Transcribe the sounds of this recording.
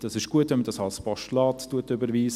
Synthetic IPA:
d̥ɑsɪʃɡ̥uətʋɛnmədɑsɑlspɔʃtlɑːttuətʏbəɾviːs

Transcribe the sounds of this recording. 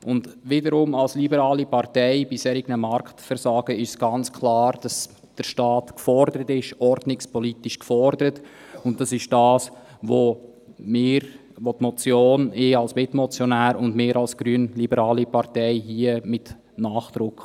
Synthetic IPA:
ʊndʋɪdəɾʊmɑlslibəɾɑːlipɑɾtɛɪbishɛɾɪɡnəmɑɾktfəɾsɑːɡ̥əɪʃsɡ̥ɑnt͡skʰlɑːɾd̥ɑs | d̥əɾʃtɑːtkfɔɾdəɾətɪʃɔɾdnɪkspɔlitiʃkfɔɾdəɾət | ʊnt̚d̥ɑsɪʃd̥ɑːs | ʋo | mɪːɾ | ʋotmɔt͡sjoːnɪːɑlsmɪtmɔt͡sjɔnæːɾʊndmɪːɾɑlsɡ̥ɾyənlibəɾɑːlipɑɾtɛɪɦiəmɪt | naːχd̪̥ɾʊkχ

